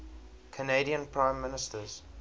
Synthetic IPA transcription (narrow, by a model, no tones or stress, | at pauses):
kʰəneɾiə̃npʰɹãɪ̃mːɪnɪstəz̥